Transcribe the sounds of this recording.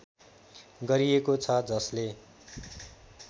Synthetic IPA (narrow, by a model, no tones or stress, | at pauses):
ɡʌɾijekot͡sʰʌd͡zʌsle